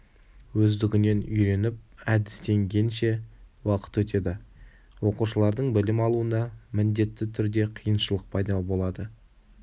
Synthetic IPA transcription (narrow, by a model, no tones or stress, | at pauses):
wɵzd̪ɪɡʲɪne̞nʏjɾe̞nɪp̚æd̪ɪ̥st̪e̞ŋɡʲe̞nʃe̞wɑqə̥t̪wɵt̪e̞d̪ɪ | wo̞quʃəlˠɑɾd̪əɴbɪlɪmɑlˠuənd̪ɑmɪnd̪e̞t̪ːɪt̪ʰʏɾd̪e̞qʰijənʃəlˠəq̚pʰɑjd̪ɑbo̞lˠɑd̪ə